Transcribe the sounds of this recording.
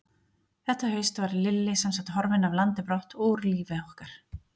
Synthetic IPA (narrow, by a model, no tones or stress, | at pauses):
θɛht̪aɦœːɥst̪vaɾlɪlːɪsamsat̪hɔɾvɪnavlant̪ɪpɾɔht̪uɾliːvɪɔhkaɾ̥